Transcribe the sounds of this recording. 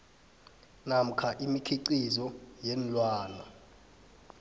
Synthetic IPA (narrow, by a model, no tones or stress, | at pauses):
nam̩kʰaʔimikʰiǀizɔjɛnlwaːna